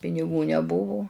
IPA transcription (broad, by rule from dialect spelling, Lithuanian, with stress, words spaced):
pʲɪnʲɪˈɡuː nʲɛˈbʊʋʊ